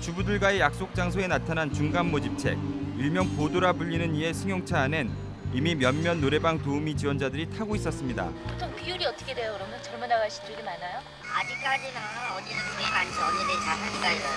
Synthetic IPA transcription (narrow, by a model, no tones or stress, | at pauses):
t͡ɕubudɯɭɡwaejak̚s͈ok̚t͡ɕ͈aŋsʰoe̞natʰanant͡ɕuŋɡanːod͡ʑip̚t͡ɕʰe̞̰k̚iɭmjʌŋpodoɾabuʎːinɯnie̞sʰɯŋjoŋt͡ɕʰaːne̞n | imimjʌnmjʌnːoɾe̞baŋtoumit͡ɕiwʌnd͡ʑadɯɾitʰaɡois͈ʌs͈ɯmɲida̰pu̥tʰoŋpiuɾiʌt͈ʌkʰedwe̞jokɯɾʌmjʌnt͡ɕʌɭmunaɡaɭɕʰi̥dɯɭɡemanajo | ad͡ʑik͈ad͡ʑinaʌninɯnemansʰʌnɯnet͡ɕamanik͈a